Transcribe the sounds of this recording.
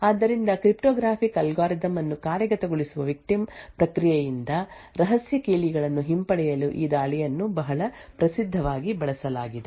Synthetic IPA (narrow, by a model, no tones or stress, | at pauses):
aːd̪ːɐɾind̪ɐkɾipʈɔːɡɾaːpʰikɐlɡaːɾizɐmɐnːukaːɾjɐɡɐt̪ɐɡoɭisuʋɐʋik̚ʈimpɾɐkɾijɛjind̪ɐ | ɾɐɦɐsjɐkiːliɡɐɭɐnːuɦimpɐɽɛjɐluʔiːd̪aːɭijɐnːubɐɦɐɭɐpɾɐsid̪ʱːɐʋaːɡibɐɭɐsɐlaːɡid̪e